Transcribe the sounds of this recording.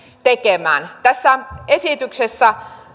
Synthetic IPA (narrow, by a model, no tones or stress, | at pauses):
t̪ekemæ̰ːnt̪æsːæesit̪yksesːæ